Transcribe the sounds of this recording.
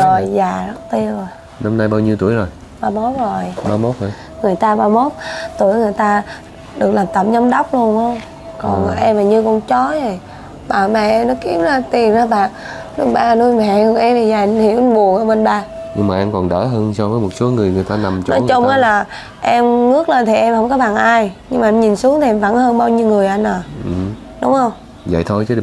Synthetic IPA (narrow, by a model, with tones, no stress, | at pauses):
zo˨˩jzaː˨˩ɗɔ˨˦t̪i˧əzo˨˩j | na˧mnaː˧jɓaː˧wɲi˧t̪u˧˩əjzo˨˩j | ɓaː˧mo˦˥t̚zo˨˩jɓaː˧mo˦˥t̚hə˨˩ | ŋɨ˨˩əjt̪aː˧ɓaː˧mo˦˥t̚t̪u˧˩əjŋɨ˨˩əjt̪aː˧ | ɗɨ˨˩ək̚laː˨˩mt̪ə˨˩p̚ɲə˨˦wŋ͡mɗa˦˥wk͡p̚lu˧ənhə˧wŋ͡m | kɔ˨˩n˨ʔɛ˧mːaː˨˩ɲɨ˧kɔ˨˩nt͡ɕɔ˨˦zo˨˩j | ɓaː˨˩mɛ˨ʔnɔ˨˦ki˨˦əwzaː˧t̪i˨˩ənzaː˧ɓaː˨˩nṵ˧˦ɓaː˧nu˧jmɛ̰˧˨ɔ˨˧˩ʔɛ˧mt̪i˨˩zaː˨˩jhi˧˩˦wʔɓu˨˩ək̚ʔəː˧˦ɓə˧nɓaː˧ | ɲɨ˧ŋmaː˨ʔə˧nkɔ˨˩nɗə̰ː˧˩ɦəː˧nsɔ˧vəː˨˦jmo˨˩t̚so˨˦ŋɨ˨˩əjŋɨ˨˩əjt̪aː˧na˨˩mt͡ɕnɔ˨˦t͡ɕʊ˧ŋ͡mʔaː˨˦laː˨˩ | ʔɛ˧mŋɨ˦˥ək̚le˧nt̪ʰi˨˩ʔɛ˧mhə˧wŋ͡mkɔ˨˦ɓa˨˩ŋʔaː˧jɲɨ˧ŋmaː˨ʔɛ˧mɲi˨˩nsu˨˦əŋt̪ʰi˨˩ʔɛ˧mvə̰˧˥nhəː˧nɓaː˧wɲi˧wŋɨ˨˩əjʔa˧nʔəː˨˩˨ | ɗʊ˨˦ŋ͡mhə˧wŋ͡m | və̰˧˨jt̪ʰo˧jt͡ɕə˨˦